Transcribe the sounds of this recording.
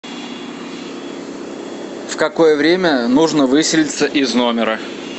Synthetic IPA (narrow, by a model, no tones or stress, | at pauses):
fkɐko̞jəvɾʲemʲənuʐnəvɨsʲɪlʲɪt̪səʔɪznomʲɪɾə